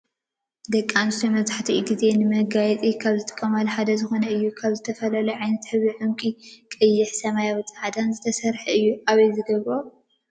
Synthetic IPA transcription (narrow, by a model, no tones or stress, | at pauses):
d̪ɐkʼːanst̪omɐzaħt̪ʰiɡize̞nɨmɐɡajɛt͡s̪ʼikʰaβzɨt̪ʼɨ̥kʼːɐmalħad̪ɐzɨxo̞nɐɨjːukʰaβzɨt̪ʰɐfɐlɐlɐʕajnɐt̪ħɨβiʕɨmkʼikʼɨjːɪħsɐmajawɨt͡s̪ʼːʕad̪anzɨt̪ʰɐsɐɾħɨjːuʔaβɐjzɨɡɐβɾo